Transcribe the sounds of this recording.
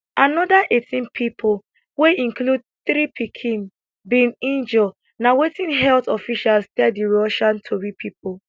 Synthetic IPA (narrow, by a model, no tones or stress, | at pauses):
anɔdaʔetʰĩnpʰipʰol | weĩŋklud̚ | θɾipʰikʰĩn | binĩnd͡ʒɔ | nawetĩnɦɛltɔfiʃalstɛdiɹɔʃãntʰobipʰip̚ʰo